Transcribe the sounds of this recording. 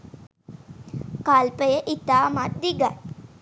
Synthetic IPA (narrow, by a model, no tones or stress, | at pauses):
kalpəjəʔit̪aːmat̪̚d̪iɡaj